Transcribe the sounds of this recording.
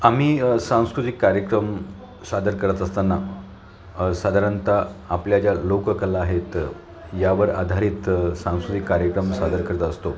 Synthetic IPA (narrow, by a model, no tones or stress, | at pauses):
amiːsãw̃skɾut̪ikːaɾjəkɾəm | sad̪əɾkəɾət̪əst̪anːa | sad̪ʱaɾant̪aapljad͡ʑjalokəkəlaːɦet̪ | jaʋəɾa̰d̪ʱaɾiːt̪sãw̃skɾut̪ikːaɾjəkɾəmsad̪əɾkəɾət̪əst̪o